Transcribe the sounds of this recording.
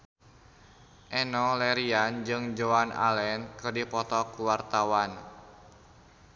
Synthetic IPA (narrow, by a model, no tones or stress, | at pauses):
ʔɛnɔlɛɾiand͡ʒɨŋd͡ʒoana̰lɛnkɨrdipɔt̪ɔkuwart̪awan